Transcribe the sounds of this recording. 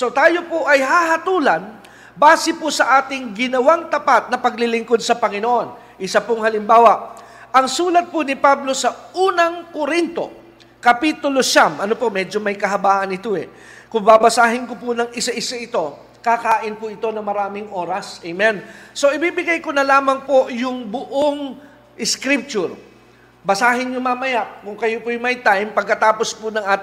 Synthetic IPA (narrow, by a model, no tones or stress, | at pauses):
so̞t̪aːjo̞poʔɐjhahɐt̪uːlɐn | baːsɪpʊsɐʔaːt̪ɪŋɡɪnɐwaŋt̪ɐpat̪̚nɐpɐɡ̚lɪlɪŋko̞d̪̚sɐpɐŋɪnoʔo̞n | ʔɪsɐpʊŋhɐlɪmbaːwɐʔ | ʔɐŋsuːlɐt̪̚pʊnɪpablo̞sɐʔuːnɐŋkoɾint̪o̞̰ | kɐpit̪ʊlo̞ʃamʔɐnopo̞mɛd͡ʒo̞mɐjkɐɦɐbaːʔɐnɪt̪oɛ | kʊŋbabɐsaːɦɪnkopʊnɐŋɪsɐʔɪsaʔɪt̪o̞ | kakaːʔɪnpʊʔɪt̪o̞nɐŋmɐɾaːmɪŋʔo̞ːɾɐsʔɛjmɛnso̞ʔɪbiːbɪɡajkonɐlaːmɐŋpo̞jʊŋbʊʔoŋ | ʔɪskɾip̚t͡ʃʊɾ | bɐsaːɦɪnjʊmamɐjaʔkʊŋkɐjopʊjʊŋmɐjt̪ajmpɐɡ̚kɐt̪aːpo̞spʊnɐŋʔaːt̪ɪ